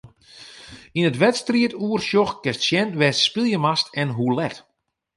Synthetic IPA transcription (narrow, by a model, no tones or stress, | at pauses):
inətʋɛtstriətuːərʃjɔxkɛstsjɛntʋɛsspilˠjəmastɛnɦulɛt